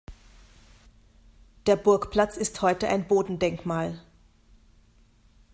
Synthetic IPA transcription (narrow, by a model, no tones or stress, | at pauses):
d̥eːɐbʊɐkpl̥at͡sɪsthɔʏtəʔa̰ɪnboːdn̩dɛŋkmaːl